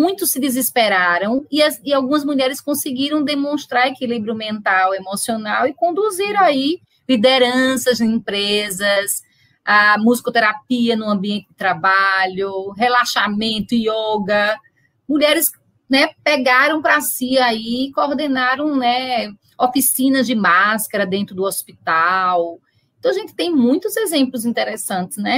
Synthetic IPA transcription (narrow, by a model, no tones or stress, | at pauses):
mũj̃t̪ʊsːɪd̪izispeɾaɾɐ̃w̃iɐziawɡũmɐzmuʎɛɾɪskõsɪɡiɾɐ̃w̃d̪emõʃt̪ɾaɾekilibɾjʊmẽnt̪awemosionawɪkõnd̪uziɾɐ̃w̃ai | lid̪eɾɐ̃sɐzĩpɾezɐs | amuzikot̪eɾapiɐnʊ̃ɐ̃biẽnt̪ɪd̪ɪt̪ɾabaʎʊɦelaʃamẽnt̪ʊioɡɐ | muʎɛɾɪs | nɛpeɡaɾɐ̃w̃pɾasiaiːkooɾd̪enaɾɐ̃w̃nɛ | ofisĩnɐzd͡ʒɪmaskɐɾɐd̪ẽnt̪ɾʊd̪ʊospit̪aw | eẽt̪ɐ̃w̃aʒẽnt̪ɪ̥t̪ẽj̃mũj̃t̪ʊzezẽmplʊzĩnt̪eɾesɐ̃nt̪ɪ̥snɛ